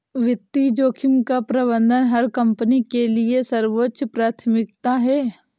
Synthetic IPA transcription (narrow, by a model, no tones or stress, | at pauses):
ʋɪt̪ːid͡ʒoːkʰɪmkapɾɐbə̃nd̪ʱənɦɐɾkɐ̃mpənikeliesɐɾwotːʃpɾaːt̪ʰmɪk̚t̪aɦɛː